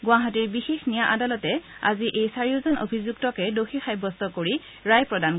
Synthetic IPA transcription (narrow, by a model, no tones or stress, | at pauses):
ɡʊaɦatiɹbixexnijaʔadalɔtɛa̰ziʔejsaɹijɔzɔno̰bʱizuɡ̚tɔkɛdoxixajbɔstɔkoɹi | ɹajpɹɔdan